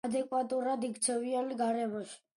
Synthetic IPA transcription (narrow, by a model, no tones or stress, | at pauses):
d̪ɛkʼwat̪ʼuɾad̪ikt̪sʰɛvianiɡaɾɛmɔʃi̥